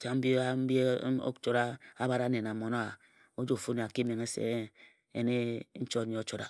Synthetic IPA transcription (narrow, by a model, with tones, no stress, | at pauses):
t͡ʃa˨m̩˦bi˦a˦m̩˦bi˦o̰˦t͡ʃo˦ɾa˦a˦ba˨ɾa˦ne˨na˨mo˨no˦a˨ | o˦d͡ʒo˦˨fu˦ni˨a˨ki˦me˨ŋe˦sḛ˦˨˦ | e˦ne˦n̩˦t͡ʃo˦ɲe˨o˦t͡ʃo˦ɾa̰˨